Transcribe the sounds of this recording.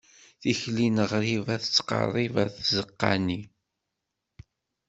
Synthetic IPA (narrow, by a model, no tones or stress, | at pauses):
θiçlinəʁɾivæθət͡sːqɑ̰rˤːivæθzəqːa̰ni